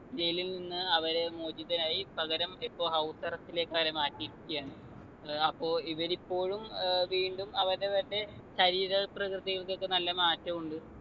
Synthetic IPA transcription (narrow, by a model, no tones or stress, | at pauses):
d͡ʑejlilninːɨɐʋɐɾemo̞ːd͡ʑiðɐnaːjipɐɣɐɾɐmipːo̞ːɦɐwsɐrɐstile̞ːkːɐʋɐɾe̞maːtːiɾikʲːijaːɳɨ | ɐpːo̞ːiʋɐɾipːo̞ːɻumʋiːɳɖumɐʋɐɾðeʋɐɾnde̞ɕɐɾiːɾɐprɐkrɨðiɣɐɭko̞kːenɐlːɐmaːtːɐmuɳɖɨ